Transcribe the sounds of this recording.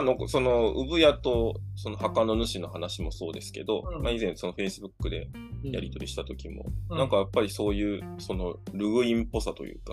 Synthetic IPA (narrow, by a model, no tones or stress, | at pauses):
nokso̞no̞ɯ̰bɯ̟jat̪oso̞nohakano̞nɯ̟ɕino̞hanaɕimo̞so̞ːd̪e̞sɨ̥ke̞̰d̪o̞maizẽ̞ɰ̃so̞no̞ɸe̞isɨbɯ̟kːɯ̟d̪e̞ | jaɾʲit̪o̞ɾʲiɕi̥t̪at̪o̞kʲimo̰nãŋkajapːaɾʲiso̞ːjɯ̟ːso̞no̞ɾɯ̟ɡɯ̟ĩmpo̞sat̪o̞̰jɯ̟̰ːka